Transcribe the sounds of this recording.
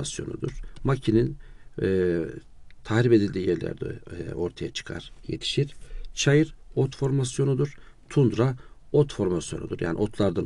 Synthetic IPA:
asjo̞nṵd̪uɾ̥macʰininː | t̪ʰahɾipe̞d̪ilʲd̪iːjɛɾlʲæ̰ɾd̪ɛ̰o̞ɾt̪ʰajat͡ʃʰɯ̥kʰa̰ɾ̥je̞̰t̪ʰi̥ʃiɾ̥t͡ʃʰajɯɾot̪fo̞ɾmasjo̞nud̪uɾ̥ | t̪ʰund̪ɾaot̪fo̞ɾmasjo̞nud̪uɾja̰ːnʔo̞t̪ʰlˠaɾd̪an

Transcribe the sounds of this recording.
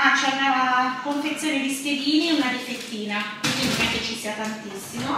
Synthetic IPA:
at͡ʃɛaunaːlakoɱfet̪sːjoːned̪isked̪iːnieunad̪ifet̪ːiːnak̪iomɛket͡ʃːisiːat̪ant̪isːimo

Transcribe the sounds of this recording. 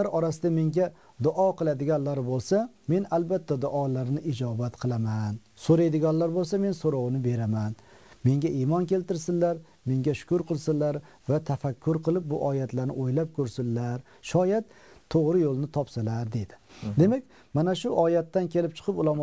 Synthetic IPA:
aɾɒɾasɪd̪ame̞ŋɡʲa | d̪ʊʔɒqɨlˠad̪ɪɡʲanlaɾbolˠsame̞nalbat̪ʰːad̪ʊʔɒlaɾnɪʔɪd͡ʒɒbat̪qʰɨlˠaman | soɾajd̪ɪɡʲanlaɾbolˠsame̞nsoɾɒwnɪbe̞ɾaman | me̞ŋɡʲaʔimɒnkʲʰe̞lt̪ɪɾsɪnllːaɾ | me̞ŋɡʲaʃʊ̥kʊɾqʰɨlˠsɪnlːaɾ | vat̪ʰafakʲʰːʊɾqʰɨlˠɪp̚bʊʔɒjat̪laɾnɪ̰ʔojlap̚kʰɵɾsɪlːaɾ | ʃɒjat̪ | t̪ʰːoʁɾɪjolˠnɪt̪ʰɒpsalaɾd̪e̞d̪ɪ̥d̪e̞mak̚ʲ | manaʃʊʔɒjat̪ːankʲe̞lɪp̚t͡ʃʰɨ̥qʰɨpʊlˠam

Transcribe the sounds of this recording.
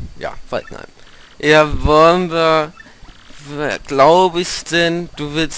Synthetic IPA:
ja̰ːfa̰tna̰ɪmʔavɔlənviːɐ | viɡ̥laʊbəɪçd̥ɛnd̥uːvɪɐs

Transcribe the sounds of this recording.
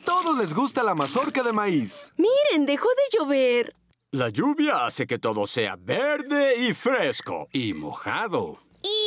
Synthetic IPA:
t̪o̞ðozle̞zɣust̪alamasoɾkaðemaismiɾe̞nd̪e̞xoðe̞ʝoβeɾ | laʝuβjaase̞ke̞t̪o̞ðo̞se̞a̰βeɾðe̞ifɾe̞sko̞̰imo̞̰xa̰ðo̞̰

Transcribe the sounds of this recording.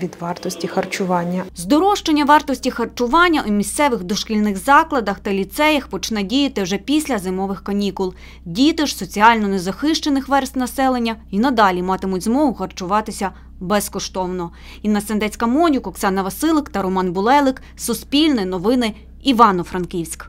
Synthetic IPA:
ʋʲid̪ʋɑrt̪ɔsʲtʲixɐrt͡ʃʊʋɑnʲːɐzd̪ɔɾɔʃt͡ʃenʲːɐʋɑrt̪ɔsʲtʲixɐrt͡ʃʊʋɑnʲːɐʔumʲist̪sɛʋɪxd̪ɔʃkʲilʲnɪxzɑklˠɐd̪ɐxt̪ɐlʲit̪sɛjɐxpɔt͡ʃnɛdʲijɐt̪ɪwʒɛpʲisʲlʲɐzɪmɔʋɪxkɐnʲikʊlˠ | dʲit̪ɪʒsɔt͡sʲiɑlʲnɔnezɐxɪʃt͡ʃenɪxʋɛrst̪nɐsɛlˠenʲːɐinɐd̪ɑlʲimɑt̪ɪmʊtʲzmɔɦʊxɐrt͡ʃʊʋɑt̪ɪsʲɐ | bɛskɔʃt̪ɔwnɔ | inɐsend̪ɛt͡sʲkɐmɔnʲʊkɔksɑnɐʋɐsɪlˠɪkt̪ɐɾɔmɑnbʊlˠɛlˠɪk | sʊspʲilʲnɪnɔʋɪnɪ | iʋɑnɔfɾɐnkʲiwʲsʲk

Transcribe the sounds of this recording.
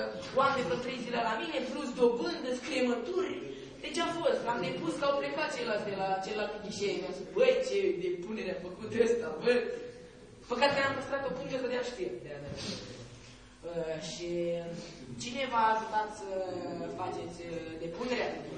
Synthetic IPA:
wamenefət̪ɾejziləlamine̞pɾusd̪o̞bɨnd̪ɨskɾiemət̪urʲ | d̪e̞t͡ʃafo̞st̪amd̪epuskawpɾekat̪̚t͡ʃelasd̪elat͡ʃelat̪imiʃejd̪abəjt͡ʃed̪epuneɾeamfəkut̪əst̪avər | pəkat̪eenampəst̪ɾat̪̚kəpuŋʒat̪od̪eaʃt̪ird̪ead̪e | əʃi | t͡ʃine̞vaːʒut̪at̪səfat͡ʃe̞t̪sʲd̪epuneɾea

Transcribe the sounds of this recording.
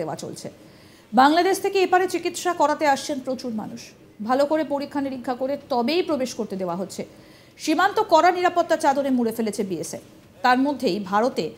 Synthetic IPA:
eoa̰t͡ɕo̰lt͡ɕʰḛ | baŋlad̪eʃt̪ʰekeebaɾet͡ɕikit̪ʃakɔɾat̪eaʃt͡ɕʰenpɾot͡ɕuɾma̰nuʃ | bʱalokoɾepoɾikʰːaniɾikʰːakoɾet̪ɔbejpɾobeʃkoɾt̪ed̪eoaɦot̪ːɕʰe | ʃimant̪okɔɾaniɾapot̪ːat͡ɕad̪onemuɽefelet͡ɕʰebiesḛ | t̪aɾmod̪ʱːejbʱaɾot̪e

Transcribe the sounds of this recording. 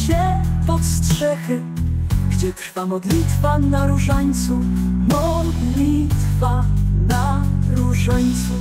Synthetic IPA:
ɕɛpɔstʂɛxɘ | ɡd͡ʑɛt̪ɾfamɔd̪lʲit̪fanaɾuʐaɲt̪sumɔd̪lʲit̪fanaɾuʐaɲt̪su

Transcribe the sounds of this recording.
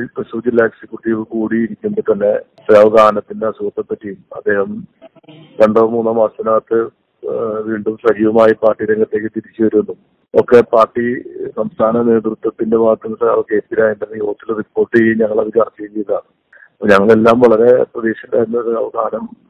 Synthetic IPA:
lprɐɕuːd͡ʑilɐeksikʲjuʈːiʋɨkuːɽiːɾikʲːuɳɖɨt̪ɐnːe̞teaʋɐɡaːnɐt̪ːindeɐsuɣɐt̪ːɐpːɐtːijumɐ̰d̪ːe̞ːhɐm | kɐɳɖoːmuːnːɐmaːsɐnaːt̪ːɨ | ʋiːɳɖumsɐd͡ʑiːʋɐmaːjipaːrʈːiɾeŋɡɐt̪ːe̞ːkːɨt̪iɾit͡ɕːɨʋɐɾunːu | okːe̞paːrʈːisɐmst̪ʰaːnɐne̞ːt̪rɨt̪wɐt̪ːindeʋaːt̪ːɐmːɐt̪aːʋke̞ːpːiɾaːjend̪ɐnːɐjoːt̪ːilripːo̞ːʈːɨeiɲɐŋːɐɭɐʋit͡ɕaːrt͡ɕːejɲejɐðaːɳɨ | pːoɲɐŋːɐɭe̞lːaːmʋɐɭɐɾe̞prɐd̪eːɕɐd̪aːunːɐtɐʋɐɡaːnɐm

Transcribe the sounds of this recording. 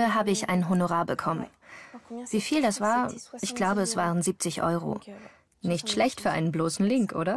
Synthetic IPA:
əɦaːbəɪçʔa̰ɪnənɦonoʁaːɐbəkʰɔmə̰n | v̥iːfiːldasv̥aːɐʔɪçɡ̥laʊbəɛsv̥aːʁənziːp̚t͡sɪçʔɔ̰ʏʁo̰ | nɪçtʃlɛçtfyːɐʔa̰ɪnənbloːsn̩lɪŋkʔo̰ːɾɐ

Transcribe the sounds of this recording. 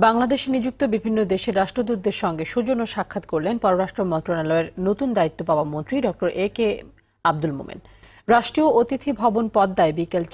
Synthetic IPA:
baŋlad̪eʃenid͡ʑuk̚t̪obibʱinːod̪eʃeɾaʃʈɾod̪ud̪ːeɾʃɔŋɡeʃud͡ʑonoʃakʰːat̪koɾlenpɔɾoɾaʃʈɾomɔnt̪ɾonalɔeɾnot̪und̪ait̪ːopaoamont̪ɾiɖɔk̚ʈoɾʔeke | ab̚d̪ulmo̰mḭn | ɾaʃʈɾioʔot̪it̪ʰibʱɔbonpɔd̪ːaebikelt͡ɕ

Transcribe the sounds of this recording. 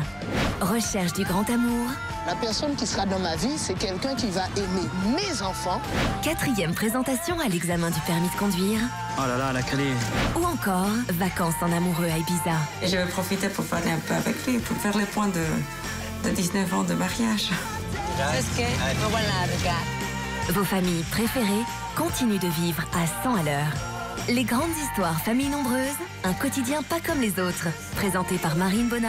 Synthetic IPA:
ʁəʃɛʁʃd̪yɡʁɑ̃t̪amuːʁ | lapɛʁsɔnkʲisəʁad̪ɑ̃mavisɛkɛlkɛ̃kʲivaʔɛmemezɑ̃fɑ̃kat̪χijɛmpχezɑ̃t̪asjɔ̃alɛɡzamɛ̃d̪ypɛʁmid̪əkɔ̃d̪ɥiːʁ | olalalakaleuɑ̃kɔːʁvakɑ̃sɑ̃namuʁøajbizaeʒəvɛpχɔfit̪epuʁpaʁleɛ̃pøavɛklɥipuʁfɛʁlepwɛ̃d̪ə | d̪əd̪iznəvɑ̃d̪əmaʁjaːʒ | ɛskɛwalavɡa | vofamijpχefeʁe | kɔ̃t̪inyd̪əvivʁasɑ̃alœːʁ | leɡʁɑ̃d̪zist̪waʁfamijnɔ̃bʁøːz | ɛ̃kɔt̪id̪jɛ̃pakɔmlezot̪χ | pχezɑ̃t̪epaʁmaʁinbɔna

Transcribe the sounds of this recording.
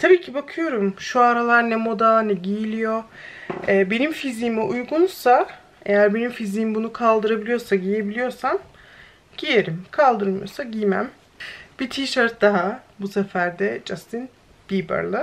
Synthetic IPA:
t̪ʰabiːcʰibakʰɯjo̞ɾumʃuaɾalˠaɾnɛmo̞d̪anɛɟijilʲijo̞ | ɛːbe̞nimfiziːmɛʔujɡunsa | ejæɾbenimfiziːmbunukʰalˠd̪ɯɾabilʲijo̞ɾsaɟije̞bilʲijo̞ɾsam | ɟ̥ije̞ɾimkʰalˠd̪ɯɾmɯjosaɟijmæ̰m | b̥it̪ʰiːʃaɾt̪̚d̪aɦabusɛfæɾd̪ɛd͡ʒast̪ʰin | b̥iːba̰ɾlˠɯ

